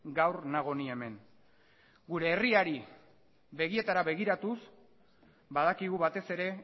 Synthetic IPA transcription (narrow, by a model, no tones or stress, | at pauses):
ɡawɾnaɣ̞o̞nie̞me̞ŋ | ɡuɾe̞ːriaɾi | βe̞ɣie̞t̪aɾaβe̞ɣiɾat̪us | baðakiɣ̞uβat̪e̞se̞ɾe̞